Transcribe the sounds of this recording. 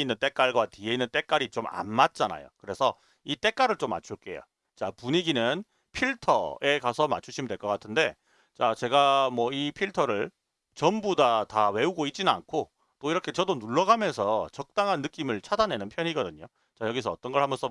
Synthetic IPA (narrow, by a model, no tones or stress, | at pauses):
inːɯnt͈e̞k͈aɭɡwatie̞inːɯnt͈e̞k͈aɾit͡ɕoma̰nmat̚t͡ɕ͈ana̰jo̰kɯɾe̞sʰʌ | it͈e̞k͈aɾɯɭt͡ɕ͈omːa̰t͡ɕʰuɭk͈e̞jo̰ | t͡ɕapuɲiɡinɯn | pʰiɭtʰʌ̰e̞kasʰʌma̰t͡ɕʰuɕʰimindwe̞ɭk͈ʌk͈atʰɯnde̞ | t͡ɕat͡ɕe̞ɡamwʌipʰiɭtʰʌɾɯɭ | t͡ɕʌmbudatawe̞uɡoit̚t͡ɕ͈inɯna̰nkʰo | t͈oiɾʌkʰe̞t͡ɕʌdonuɭːʌɡamjʌnsʰʌt͡ɕʌk̚t͈aŋɦanːɯk͈imɯɭt͡ɕʰadane̞nɯnpʰjʌɲiɡʌdɯɲo | t͡ɕajʌɡis̬ʰʌːt͈ʌnɡʌɭhamjʌnsʰʌ